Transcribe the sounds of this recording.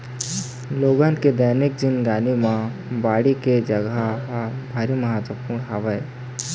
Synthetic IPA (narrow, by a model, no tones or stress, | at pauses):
loːɡãːnked̪əːnɪk̚d͡ʒɪnɡaːnimã | baːɽiked͡ʒəɡabʱaːɾiməɦaːt̪wəpuːɽ̃ɦaːʋəe